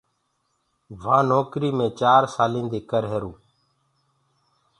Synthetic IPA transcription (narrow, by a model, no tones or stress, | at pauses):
ʋãːnoːkɾiːmẽːt͡ʃaːɾsaːlĩːnd̪eːkəɾɦeːɾũː